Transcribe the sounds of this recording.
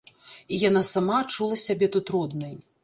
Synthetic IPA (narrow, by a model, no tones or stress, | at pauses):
ijanasamat͡ʂulˠɐsʲabʲɛt̪ut̪ɾɔd̪nɐj